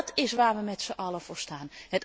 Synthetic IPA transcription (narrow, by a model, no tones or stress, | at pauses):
tʰɪsʋaːʋəmɛtsəʔɔlˠəfoːrstaːnhət